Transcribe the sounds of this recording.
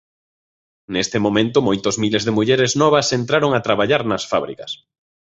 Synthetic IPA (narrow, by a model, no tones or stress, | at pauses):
nest̪ɪmomẽnt̪ʊmojt̪ozmilezðemuʎeɾɪznɔβ̞ɐsent̪ɾaɾoŋat̪ɾaβaʎaɾnɐsfaβɾḭkɐs